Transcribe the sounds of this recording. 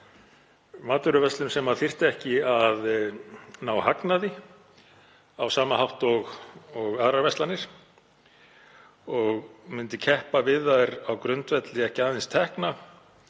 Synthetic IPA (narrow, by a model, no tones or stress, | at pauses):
maːt̪ʏɾʏvɛst̪lʏmsɛmaθir̥t̪ɛhcɪað | nawhaknaðɪ | awsaːmahawht̪ɔɣɔɣaːðɾaɾvɛst̪anɪɾ̥ | ɔɣmʏnt̪ɪcʰɛhpavɪðajɾawkɾʏnt̪vɛt̪lɪɛhcɪaːðɪnst̪ʰɛhkna